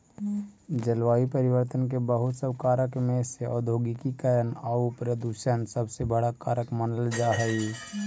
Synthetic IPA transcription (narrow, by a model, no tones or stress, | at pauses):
d͡ʒəlwaːipəɾiʋəɾt̪ənkebəɦʊt̪səbkaːɾəkmẽseʔɔd̪ʱoɡikikəɾənaupɾəd̪uʃənsəbsebəɽakaːɾəkmənəld͡ʒaɦəi